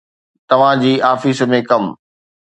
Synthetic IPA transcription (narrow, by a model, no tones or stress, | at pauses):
t̪ɐʋ̤ãd͡ʑiːʔaːfismẽkɐm